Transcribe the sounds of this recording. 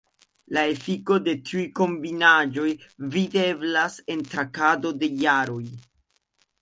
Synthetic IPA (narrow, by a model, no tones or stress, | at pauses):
lae̞fiko̞de̞tʰiujko̞mbinad͡ʒo̞jvide̞blase̞ntɾakado̞de̞jaɾo̞j